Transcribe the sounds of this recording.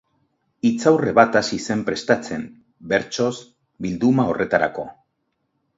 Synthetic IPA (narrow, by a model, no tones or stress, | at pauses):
it͡sawre̞βat̪asise̞mpɾe̞st̪at͡se̞m | be̞ɾt͡so̞s | bild̪umao̞rʔe̞t̪aɾa̰ko̞̰